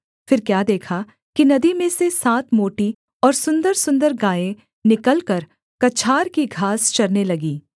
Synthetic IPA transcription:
fɪɾkjaːd̪eːkʰa | kinɐd̪imẽsesaːt̪ʰmoːʈi | ɔːɾsʊ̃nd̪əɾsʊ̃nd̪əɾɡaːẽ | nɪkəlkɐɾ | kɐt͡ʃʰaːɾkiɡʱaːst͡ʃɐɾnelɐɡiː

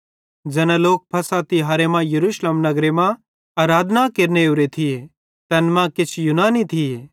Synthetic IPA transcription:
d͡ʒɐnɛloːk̚pʰɐsat̪iɦaɾemãjɐɾuːʃleːmnɐɡɾemã | aːɾaːd̪ʱnakeɾneuɾet̪ʰije | t̪ɐnmãkɪt͡ʃʰjunaːnit̪ʰie

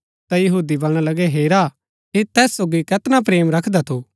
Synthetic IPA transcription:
t̪ajɐɦuːd̪ibɐɽ̃alɐɡɛɦeːɾa | ɪt̪ɛːssoːɡikɐt̪nap̬ɾeːmɾɐkʰd̪at̪ʰo

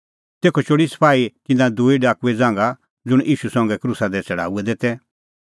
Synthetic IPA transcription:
t̪eːkʰɔt͡ʃoːɽisɐ̥pʰaːikɪ̃nãd̪uiɖaːkuɛd͡zãːŋ̆ɡa | d͡zʊɽ̃ʔiːʃusɔ̃ːŋ̆ɡɛkɾusad̪ɛt͡sɛɽa̰ːuɛd̪eːt̪ɛ

